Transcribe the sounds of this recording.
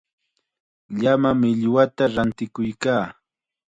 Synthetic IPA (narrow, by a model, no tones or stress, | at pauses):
ʎamamɪʎwat̪aɾant̪ɪkʊjkaː